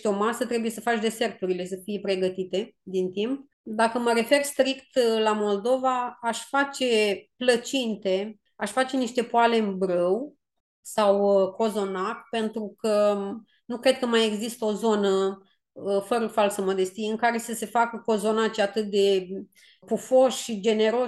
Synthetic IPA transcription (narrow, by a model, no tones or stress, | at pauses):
t̪eo̞masət̪ɾe̞bujesəfat͡ʃʲd̪e̞se̞rt̪uɾile̞səfijepɾe̞ɡət̪it̪e̞d̪int̪imp̚ | d̪akəməɾe̞fe̞rst̪ɾikt̪lamo̞ld̪o̞vaaʃʲfat͡ʃe̞plət͡ʃint̪e̞ | aʃfat͡ʃe̞niʃt̪e̞poale̞mbɾəw | sawko̞zo̞nat̪pe̞nt̪ɾukə | nukɾe̞d̪̚kəmaje̞ɡzist̪əo̞zo̞nə | fəɾəfalsəmo̞d̪e̞st̪ijɨŋkaɾe̞səse̞fakəko̞zo̞nat͡ʃat̪ɨt̪̚d̪e̞ | pufo̞ʃʃid͡ʒe̞ne̞ɾo̞